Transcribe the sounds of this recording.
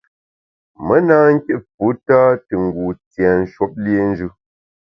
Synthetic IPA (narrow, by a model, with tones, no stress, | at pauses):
mə˦naː˦ŋ̩˦ke˦pu˨˦ta˦tə˨ŋ̩˨ɡu˨tjɛ˨n̩˦ʃwo˦p̚lje˦n̩˦d͡ʒʉ˦